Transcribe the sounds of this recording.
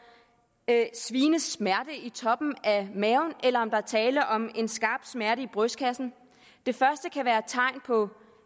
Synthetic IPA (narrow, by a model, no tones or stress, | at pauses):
sʋiːnəsmæɐɾ̥əit͡sʰɒ̽b̥n̩æmɛʊnelɐɒ̽md̥ɑ̈ɐt͡sʰɛːlɐʔɒ̽me̝nsɡ̥ɑ̈ːb̥smæɐɾəib̥ʁœskʰæsn̩ | d̥e̝fɶɐsd̥əkʰæʋæːɐt͡sʰɑ̈ɪ̰npʰɒ̽